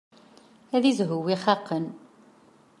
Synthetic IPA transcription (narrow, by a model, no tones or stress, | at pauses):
æðizɦʊwiχɑqːən